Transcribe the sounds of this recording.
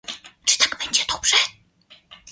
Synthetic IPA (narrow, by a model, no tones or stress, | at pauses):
ʈ͡ʂɨ̥t̪akpɛnt͡ɕɛt̪ʰopʂɛ